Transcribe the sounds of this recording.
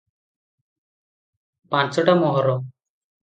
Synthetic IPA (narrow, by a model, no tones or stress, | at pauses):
pãt͡ʃɔʈamɔɦɔɾɔ